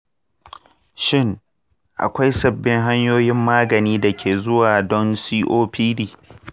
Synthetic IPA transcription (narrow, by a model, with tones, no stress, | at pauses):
ʃɪ˦ŋ | ʔa̰˨kʷa˦jsɐ˦˨bːɪ˦ŋɦa˦ɲjoː˦jɪ˦mːaː˦ɡɐ˨niː˦da˨kʲʰeː˨zʊ˦waː˨dɔ˦nsiː˦ʔoː˦ɸiː˦diː˦